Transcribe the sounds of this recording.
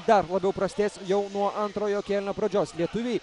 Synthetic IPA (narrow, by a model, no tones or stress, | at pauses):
d̪ɐɾlˠɐbʲɛʊpɾɐsʲt̪ʲeːsʲjɛʊnuɔʔɐnt̪ɾoːjoːkʲɛːlʲɪnʲoːpɾɐd͡ʒʲoːslʲiɛt̪ʊʋʲeː